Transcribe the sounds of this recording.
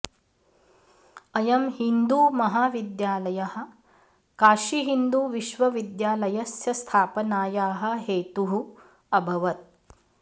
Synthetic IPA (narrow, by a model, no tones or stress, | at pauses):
ɐjɐmɦind̪uːmɐɦaːʋid̪jaːlɐjɐhɐ̆ | kaːʃiɦind̪uːʋiʃʋɐʋid̪jaːlɐjɐsjɐst̪ʰaːpɐnaːjaːɦɐ̆ɦeːt̪uɦu | ɐbʱɐʋɐt̪̚